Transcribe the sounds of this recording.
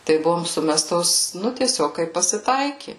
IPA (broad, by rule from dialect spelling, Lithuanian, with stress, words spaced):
tɐɪ ˈbʊʋoːm ˈsʊmʲɛstoːs ˈnʊ tʲiɛˈsʲoːk ˈkɐɪp pɐsʲɪˈtɐɪkʲɪ